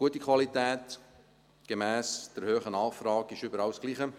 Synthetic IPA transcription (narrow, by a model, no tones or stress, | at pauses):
ɡuətːikʰχwɑlit̪ɛːt | ɡ̥emæːsd̥ɛɾhøːχənɑːχfrɑːɡɪʃʏbəɾɑwsɡliːχə